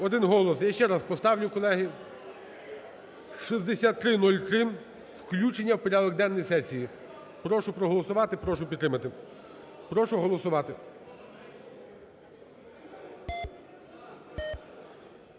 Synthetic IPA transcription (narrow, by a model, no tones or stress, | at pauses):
ɔd̪ɪnɦɔlˠɔsjaʃt͡ʃɛɾɑspɔst̪ɑwnʲʊkɔlˠɛɦi | ʃizd̪esʲat̪ːɾɪnɔlʲt̪ɾɪm | wklʲut͡ʃenʲːɐwpɔɾʲɑd̪ɔk̚d̪ɛnːɔjisɛsʲiji | pɾɔʃʊpɾɔɦɔlˠɔsʊʋɑt̪ɪpɾɔʃʊpʲt̪ɾɪmɐt̪ɪ | pɾɔʃʊɦɔlˠɔsʊʋɑt̪ɪ